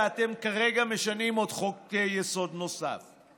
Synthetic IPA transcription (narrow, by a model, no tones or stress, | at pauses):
at̪e̞mkaʁeɡameʃanimo̞dχokejeso̞d̪no̞sa̰f